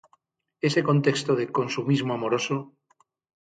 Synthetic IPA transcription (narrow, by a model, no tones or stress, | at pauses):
e̞sekont̪e̞kst̪oð̞eko̞nsumizmoamo̞ɾo̞so